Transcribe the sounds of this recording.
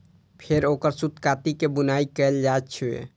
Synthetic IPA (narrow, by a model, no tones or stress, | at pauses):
pʰeɾokəɾsut̪kat̪ikebunaikɛld͡ʒaett͡ʃʰḛ